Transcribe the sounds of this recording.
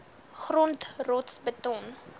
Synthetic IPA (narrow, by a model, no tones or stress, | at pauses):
χrɔntrɔtsbətɔn